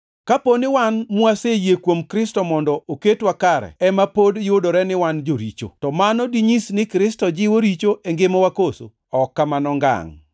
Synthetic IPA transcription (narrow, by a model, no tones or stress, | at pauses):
kaponɪwanmwasejekwomkɾɪstɔmɔndɔʔoketwakaɾɛ̰ɛmapodjʊdoɾɛnɪwand͡ʒoɾit͡ʃo̰tɔmanɔdiɲisnɪkɾɪstɔd͡ʒɪwoɾit͡ʃoʔeŋɡɪmowakoso̰ | ɔkːamanɔŋɡa̰ŋ